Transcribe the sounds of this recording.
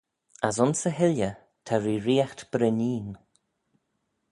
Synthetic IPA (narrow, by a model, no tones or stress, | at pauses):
asʊnsəɦɪljə | t̪ʰaɹiːɾiːaxt̪b̥ɾəniːn